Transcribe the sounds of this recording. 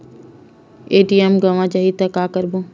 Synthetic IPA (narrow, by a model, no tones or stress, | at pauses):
eːʈiemɡɐʋãd͡ʒɐɦit̪ɐkːaːkəɾbõː